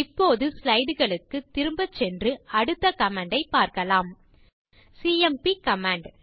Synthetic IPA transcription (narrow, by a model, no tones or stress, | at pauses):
ɪpːoːðɯslɐɪɽɯɣɐɭɯkːɯt̪ːɪɾɯmbɐt͡ʃːɛndrɯɐɽɯt̪ːɐkɐmaːɳɖɐɪpːaːɾkɐlaːm | siːɛmpikɐmaːɳɖ